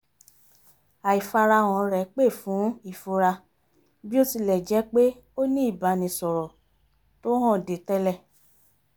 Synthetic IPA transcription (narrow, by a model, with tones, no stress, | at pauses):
a˨i˨fa˧ɾa˧w̃ɔ̃˨ɾɛ˨˦k͡pe˦˨fũ˨˦i˦˨fo˧ɾa˧ | bi˦o˦ti˧lɛ˨d͡ʒɛ˨˦k͡pe˦ | o˦nĩ˦i˦˨ba˨˦nĩ˨sɔ˨ɾɔ˨ | to˦ɦɔ̃˦˨de˨tɛ˦lɛ˦˧˨